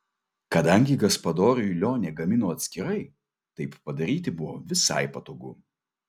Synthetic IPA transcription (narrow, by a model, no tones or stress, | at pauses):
kɐd̪ɐŋʲɡʲɪɡɐspɐd̪oːɾʲʊjʊlʲoːnʲɛɡɐmʲɪnoːɐt̪ʲsʲkʲɪɾɐɪ | t̪ɐɪppɐd̪ɐɾʲiːt̪ʲɪbʊʋoːʋʲɪsɐ̰ɪpɐt̪oːɡʊ̰